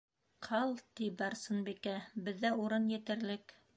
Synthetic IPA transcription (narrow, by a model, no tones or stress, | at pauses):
qʰɑlˠt̪ibɑɾsɤnbikæbɘ̆ðːæuɾɤnjɘ̆t̪ɘ̆ɾlɘk